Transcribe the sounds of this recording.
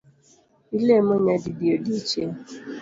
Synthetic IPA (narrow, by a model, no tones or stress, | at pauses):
ilemoɲadidiodit͡ʃe